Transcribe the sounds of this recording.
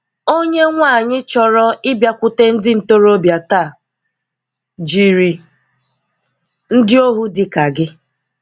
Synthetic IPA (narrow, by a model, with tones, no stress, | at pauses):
o˦ɲe˦ŋʷa˦˨ɲɪ˦t͡ʃɔ˨ɾɔ˦ɪ˦bja˦kʷʊ˦te˦n̩˦dɪ˦n̩˨to˦ɾo˦bja˨ta˦˨ | d͡ʒi˨ɾi˨ | n̩˦dɪ˦o˦ɦu˦dɪ˨ka˨ɡɪ˦